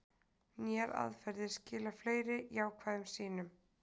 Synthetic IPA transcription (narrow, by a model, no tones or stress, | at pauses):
njɛɾa̰ðfɛɾðɪscɪːlafleːjɾɪʔjawkʰvaːðʏmsiːnʏm